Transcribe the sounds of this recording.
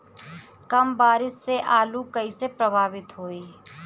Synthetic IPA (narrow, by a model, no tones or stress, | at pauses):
kəmbaːɾɪsːeʔaːlukəisepɾəbʱaːʋɪt̪ɦoːiː